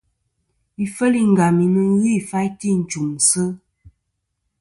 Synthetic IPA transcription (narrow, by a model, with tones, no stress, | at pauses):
i˨fə˦li˦ŋ̩˨ɡa˨mi˨nɨ˦ɣi˦˨fa˦jti˦˨n̩˨t͡ʃu˨m˨sə˦